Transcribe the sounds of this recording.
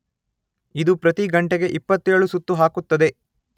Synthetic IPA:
id̪upɾɐt̪iɡɐɳʈeɡe̞ʔipːɐt̪ːeːɭusut̪ːuɦaːkut̪ːɐd̪e̞

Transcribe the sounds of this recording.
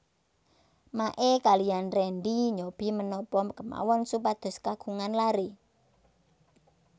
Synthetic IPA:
maʔekalijanrɛɳɖiɲob̥i̤mənɔpɔmkəma̰wɔnsupad̪̥ʊ̤skaɡ̥uŋanlaɾe

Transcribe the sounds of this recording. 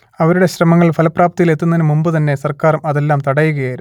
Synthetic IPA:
ɐʋɐɾuɽe̞ɕrɐmɐŋːɐɭfɐlɐpːraːp̚t̪ijile̞t̪ːunːɐðnɨmumbɨt̪ɐnːe̞sɐrkaːɾumɐðe̞lːaːmt̪ɐɽɐjuɣɐjaːjɾu

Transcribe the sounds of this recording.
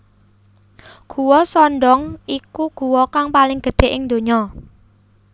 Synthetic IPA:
ɡ̥uwɔsɔnɖɔŋikuɡ̥ṳwɔkaŋpalɪŋɡ̥ə̤ɖ̪̥e̤ʔɪŋd̪o̤ɲɔ

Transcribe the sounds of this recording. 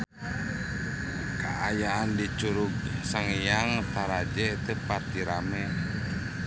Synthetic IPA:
kaʔajaːndit͡ʃuɾuɡ̚saŋjaŋt̪aɾad͡ʒɛt̪əpat̪iɾamɛ

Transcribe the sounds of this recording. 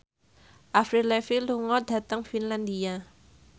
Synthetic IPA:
ʔafɾilɛfiluŋɔd̪̥a̤t̪əŋfinland̪ia

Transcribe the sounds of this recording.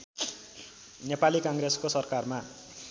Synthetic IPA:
nepalikaŋɾeskosʌrkarma

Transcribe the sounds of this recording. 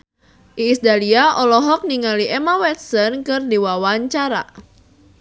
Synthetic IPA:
ʔiːsdaliaʔɔlɔɦɔk̚niŋaliʔɛmawɛt̪̚sɔnkɨrdiwawaɲt͡ʃaɾa̰

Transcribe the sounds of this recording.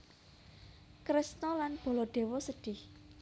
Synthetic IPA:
kɾɪsnɔlanb̥o̤lɔɖ̪̥e̤wɔsəɖ̥ɪh

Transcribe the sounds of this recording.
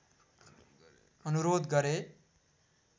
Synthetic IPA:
ʌnuɾod̪ɡʌɾe

